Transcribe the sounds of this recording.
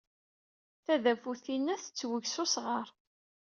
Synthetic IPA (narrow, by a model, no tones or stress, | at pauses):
θæðæfuθinːæθət͡sːwəʝsʊsʁəɾˤ